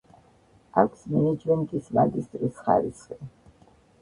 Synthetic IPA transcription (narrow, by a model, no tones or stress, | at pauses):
akʷʰsmɛnɛd͡ʒmɛnt̪ʼismaɡist̪ʼɾisχa̰ɾisχi